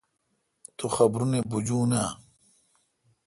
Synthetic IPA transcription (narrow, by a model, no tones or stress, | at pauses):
t̪ʰuxɐbɾunebud͡ʑũːnaː